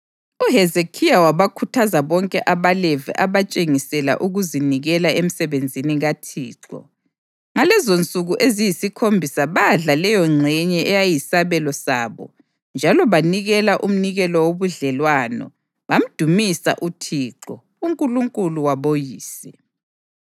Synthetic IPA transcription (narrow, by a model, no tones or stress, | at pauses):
uɦɛzekʰijawaβakʰutʰazaβɔŋkʼɛʔaβalevḭʔaβat͡ʃʼeŋisɛla̰ʔuɣuziniɣɛlaem̩sɛβend͡zʱiniɣatʰiːǁɔ̰ | ŋalɛzont͡sʼuɣuʔezijisikʰombʱisaβaɮalɛjɔŋ͡ǀʱɛɲɛʔɛjajisaβɛlɔsa̰ːβɔ̰ | nd͡ʒʱalɔβaniɣɛlaʔum̩niɣɛlɔwoβuɮɛlwanɔ̰ | βam̩d̥ʱumisa̰ʔutʰiːǁɔ | uŋkʼuluŋkʼuluwaβojiːsɛ